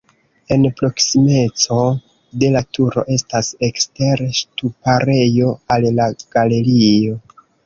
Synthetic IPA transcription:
e̞npɾo̞ksime̞t͡so̞ | de̞latʰuɾo̞̰ʔe̞stase̞kste̞ɾʃtupaɾe̞jo̞allaɡ̥ale̞ɾio̞

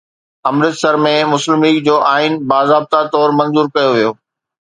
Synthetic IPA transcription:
ɐmɾɪt̪sɐɾmẽmʊslɪmiːkd͡ʑoːʔaːɪnbaːzaːb̚t̪at̪ɔːɾmɐ̃nzuːɾkɐjoʋijoː

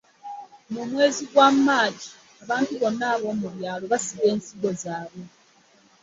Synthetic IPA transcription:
mumwe̞ːziɡwamːaːɟi | aβaːntuβo̞nːaːβo̞muβjaːloβasiβe̞ːnsiɡo̞zaːβo

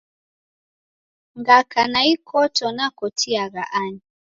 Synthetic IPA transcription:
ŋɡakanaikʰɔtɔnakɔtʰiaɣa̰ʔani

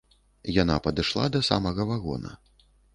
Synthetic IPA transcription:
janapɐd̪ɨʂlˠa̰d̪ɐsa̰mɐɣɐvaɣɔ̰nɐ̰

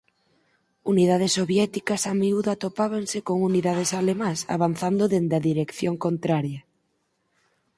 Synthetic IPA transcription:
unið̞að̞esːoβjɛt̪ikɐsamiuðat̪opaβaŋsekoŋuniðaðesalemãsa̰βan̟θand̪oðend̪ɐðiɾekθjoŋkont̪ɾaɾjɐ

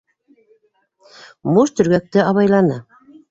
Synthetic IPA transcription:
muʃt̪ɵ̆ɾɡæk̚t̪ɘɑβɑjlˠɑnɤ

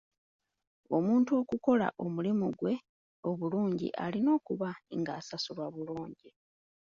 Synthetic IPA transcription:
o̞muːntuo̞ːkuko̞la̰ʔo̞mulimuɡwe̞ | o̞βuluːɲɟḭʔa̰lino̞ːkuβaŋɡaːsasuβaβuluːɲɟi

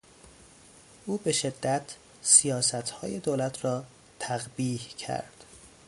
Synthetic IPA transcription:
ʔuːbe̞ʃed̪ːæt̪ʰ | sijɒːsæt̪ʰhɒːje̞d̪oːlæt̪ʰɾɒː | t̪ʰæɣbiːhcʰæ̰ɾd̪̥

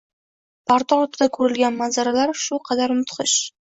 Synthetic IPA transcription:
paɾt̪ʰaɒɾt̪ʰɪd̪akʰɵɾɪlˠɡʲanmanzaɾalaɾʃʊqʰɑd̪aɾmʊt̪qʰɨʃ

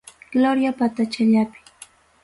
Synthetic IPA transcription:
ɡ̥loɾjapat̪at͡ʃaʎapɪ̥

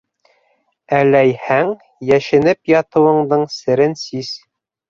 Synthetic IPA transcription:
ælæjhæŋ | jæʃɘ̆nɘpjɑt̪ɤ̆wɤ̆ɴd̪ɤɴsɘ̆ɾɘnsiz

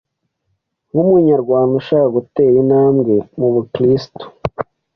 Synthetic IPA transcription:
ŋumuɲaɾɡwaːnduʃaːkaɡuteːjinaːmɡe̞muβukɾisto̥

